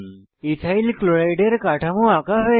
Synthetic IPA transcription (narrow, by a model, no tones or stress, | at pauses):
itʰailkloɭajɖeɾkaʈʰamũakaɦe